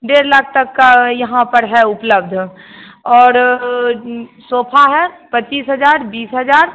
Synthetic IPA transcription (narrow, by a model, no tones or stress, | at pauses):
ɖeːɾlak̚ʰt̪əkːjɐɦãpəɾɦɛʊpləb̚d̪ʱ | ɔːɾ | soːpʰaɦɛpət͡ʃːiːsɦəd͡ʒaːɾbiːsɦəd͡ʒaːɾ